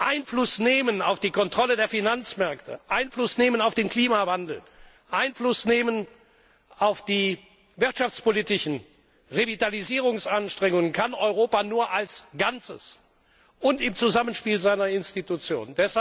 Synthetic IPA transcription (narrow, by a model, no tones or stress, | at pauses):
ʔaɪnflʊsneːmənaʊfd̥iːkɔntʁ̥ɔlədeːɐfinant͡smɛɐktʰə̰ʔaɪnflʊsneːmənaʊfd̥eːnkʰl̥iːmavandl̩ | ʔaɪnflʊsneːmən | ʔaʊfd̥iː | vɪɐtʃaft͡spoliːtɪʃn̩ | ʁevitaliziːʁ̞ʊŋsʔanʃtʁ̥ɛŋʊŋənkʰanʔɔʏʁoːpanuːɐʔalsɡ̥ant͡sə̰s | ʔʊntɪmt͡suzamənʃpiːlzaɪnɐɪnstitut͡sjo̰ːnndɛsha